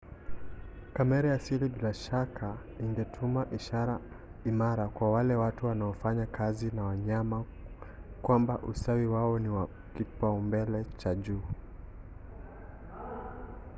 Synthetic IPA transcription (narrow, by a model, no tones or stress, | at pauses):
kamɛɾajasilibilaʃakʰa | iŋɡɛtʰumaʔiʃaɾa | imaɾakwawalɛwatuwanaɔfaɲakazinawaɲama | kwambaʔusawiwaɔniwa | kipaumbɛlɛt͡ʃaʄuː